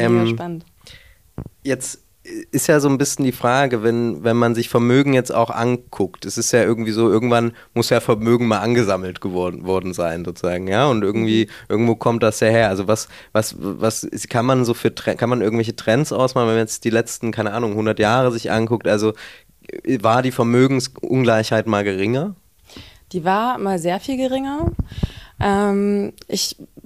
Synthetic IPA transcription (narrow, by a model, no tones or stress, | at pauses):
ʔɛːman | jɛt͡st | ʔɪstjaːzoːnbɪsçn̩diːfʁ̥aːɡəvɛnvɛnmanzɪçfɛɐmøːɡŋ̩jɛt͡sta̰ʊxʔa̰nkʰʊktɛsɪstjaːʔɪɐɡŋ̩tv̥iːzoːʔɪɐɡŋ̩tv̥an | mʊsjaːfɛɐmøːɡŋ̩maːlʔanɡəzaml̩tɡ̥əvɔvɔɐdn̩zaɪnzoːt͡suzaːɡŋ̩jaːʊntʔɪɐɡŋ̩tv̥iːʔɪɐɡŋ̩tv̥oːkʰɔmt̚d̥asjaːheːɐʔalzovas | vasvaskʰanmanzoːfyːɐtʁ̥ɛkʰanmanʔɪɐɡŋ̩tvɛç̬ətʁ̥ɛnt͡sʔa̰ʊsmaːlnvɛmanjɛt͡sd̥iːlɛt͡stn̩kʰaɪnəʔaːnʊŋhʊndɐtjaːʁəzɪçʔa̰nkʊk̚tʔalzo | vaːɐdiːfɛɐmøːɡŋ̩sʔʊ̰nɡlaɪçhaɪtmaːlɡəʁɪŋɐ | d̥iːvaːɐmaːlzeːɐfiːlɡəʁɪŋɐ | ʔɛmʔɪç